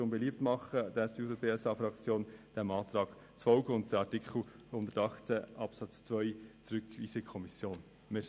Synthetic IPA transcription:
oːnbeliːp̚tmɑχəd̥ɛsd̥iusəbeːɛsɑːfɾɑkt͡sjoːnd̥ɛmɑːt̪ɾɑːɡ̥ | t͡sfɔlɡəʊntd̥ɛɾɑɾtɪkʰχl̩hʊnd̪ətɑχt͡sɛʔɑpsɑt͡st͡svœʏt͡sɾʏkvḭːsəkʰɔmɪsjoːn | mɛ

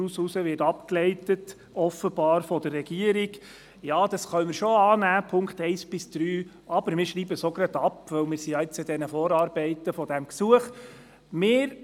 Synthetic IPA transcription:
ususəʋɪɾtɑpklɛɪtət | ɔfəbɑːɾfɔd̥ərːɛɡ̥iəɾiɡ | jɑːd̥̪ɑsχœmɪɾʃoɑːnæːpʰʊŋkχt̪ɛɪsb̥ɪsd̪̥ɾyː | ɑb̥əɾmɪːɾʃɾiːbəsoɡɾɑd̪ɑpʋœwmɪːɾsijɑɪt͡sɪd̥̪ɛnəfɔːɾɑːɾbɛɪt̪əfɔd̥̪æmksuəχ | mɪːɾ

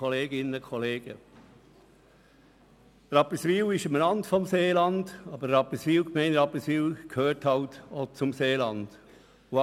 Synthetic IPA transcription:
ɔleːɡɪnəkʰɔleːɡ̥ə | rɑpəsʋiːlɪʃəmnɑndfɔmseːlɑnd̥ɑbəɾɾɑpəsviːlkmɛɪnrɑpəsviːlkʰhøːrthɑltot͡sʊmseːlɑnd̥ | o

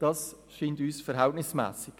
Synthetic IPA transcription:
d̥ɑs | ʃiːntyːsfɛɾɦæltnɪsmæ̰ːsɪɡ̥

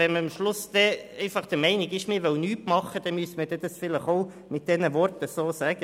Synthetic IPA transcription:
ɛnməɑmʃlʊsd̥ɛɛɪfɑχd̥əmɛɪnɪɡɪʃmɪɾʋœwnyːtmɑχəd̥̪ɛmyəsəməd̥ɛd̥ɑsfɪləχoʊ | mɪt̚d̥ɛnəʋɔrtəsoːsæːɡ̥ə

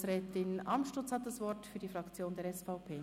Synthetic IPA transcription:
sɾɛːtɪnʔɑmʃtʊt͡shɑt̪̚d̥ɑsvɔɾtfyːɐdifʁɑkt͡sjoːndeːɐɾɛsfɑʊpʰeː

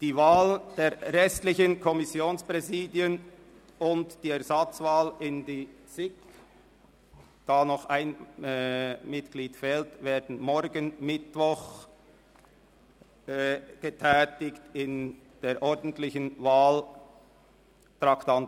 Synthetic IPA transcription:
d̥iːvaːld̥eːɾʁɛstlɪçənkʰɔmɪsjoːnspʁɛziːdiən | ʊntd̥iːɛɐzɑt͡svaːlɪndiː | sɪk | d̥aːnɔχaɪn | mɪtkliːtfɛːltveːɾdn̩mɔɾɡənmɪtvɔχ | ɡ̥ətʰɛːtɪçtɪn | d̥eːɾʔɔɾdən̩tlɪçənvaːl | tɾɑktɑnt

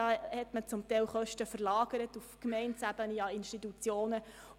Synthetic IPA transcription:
ɑhɛtmət͡sʊmtɛɪwχœʃtəfəɾlɑːɡ̥əɾətufkmɛɪntsæb̥əniɑinʃtitut͡sjoːnə

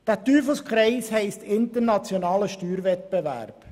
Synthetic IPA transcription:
d̥æːt̪yːfəskχɾɛɪshɛɪstʰɪnt̪əɾnɑt͡sjonɑːləʃtyːɾvɛt̪̚bɛvæ̰ːɾp

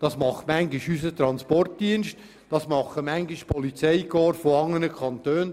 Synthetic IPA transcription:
d̥ɑsmɑχmæŋɡɪʃysət̪ɾɑnspɔrt̚d̥iənst | d̥ɑsmɑχəmæŋɡɪʃpʰɔlit͡sɛɪɡɔːɾfoɑŋːənəkʰɑnt̪øːn

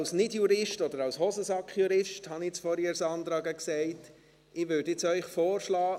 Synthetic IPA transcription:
lsnɪdjuɾɪʃtɔdəɾɑlshɔsəsɑkχjuɾɪʃthɑniɪt͡sfɔɾɪːɾsɑnd̪ɾɑːɡəksɛɪt | ɪʋʉːɾdɪt͡sœʏχfoːɾʃlɑː

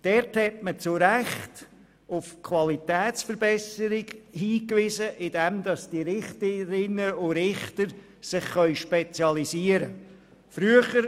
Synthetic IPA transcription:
d̥ɛɾthɛt̚mət͡sʊɾæχt | ʊfkʰvɑlitɛːt͡sfəɾbɛsəɾɪɡhiːkvɪzəʔɪd̥ɛmdɑstiɾɪχtəɾɪnəʊɾɪχtəɾ | sɪχːœʏʃpet͡sjɑliziəɾə | fɾyəχəɾ

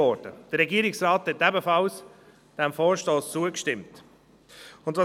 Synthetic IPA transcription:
ɔɾd̥ə̰d̥əɾɛɡiəɾɪksɾɑːthɛtɛbəfɑls | d̥ɛmfɔːɾʃtoːst͡suəkʃtɪmt | ʊndvɑ

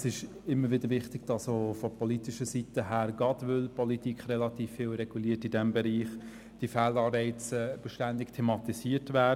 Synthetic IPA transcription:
sɪʃ | ɪmːəɾʋɪdəɾʋɪχtɪɡ̥d̥ɑsoːfɔpɔlitɪʃəsitəɦæːɾɡ̥ɑdvʏlpʰɔlit̪ikχrɛlɑtiːfːɪːlɾɛɡ̥uliːətɪdɛmbɛɾiːχ | d̥ifælɑːɾbɛɪt͡sɛb̥əʃtændɪktʰemɑt̪isiːətvæː

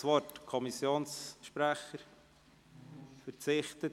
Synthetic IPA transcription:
sʋɔrtkʰɔmisjoːnsʃpɾæχəɾ | fəɾt͡sɪχtə

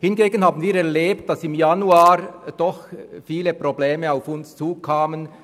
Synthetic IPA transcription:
hɪnɡeːɡənhaːbən̩viːɾɛɐleːp̚t̚d̥ɑsɪmjanuaːɾd̥ɔχfiːləprobleːməaʊfʊnst͡suːkʰaːmən

